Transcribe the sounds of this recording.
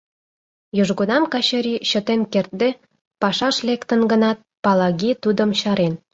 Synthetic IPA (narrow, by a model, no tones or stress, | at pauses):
joʒɣonɑmkɑɕəɾʲiɕə̆t̪enkert̪̚d̪e | pɑʃɑʃlekt̪ə̆nɡə̆nɑt̪̚pɑlɑɣit̪ud̪ə̆mɕɑɾen